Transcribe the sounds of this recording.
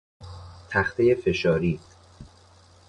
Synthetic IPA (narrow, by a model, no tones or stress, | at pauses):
t̪ʰæxt̪ʰejefe̞ʃɒːɾiː